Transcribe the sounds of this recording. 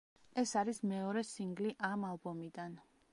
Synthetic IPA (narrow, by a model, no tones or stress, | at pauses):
ɛsaɾismɛɔɾɛsiŋɡliʔamalˠbɔmid̪an